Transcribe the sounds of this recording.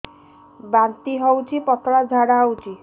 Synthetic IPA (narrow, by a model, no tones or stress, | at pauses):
bant̪iɦɔwt͡ʃʰipɔt̪ɽad͡ʒʱaɽawt͡ʃʰi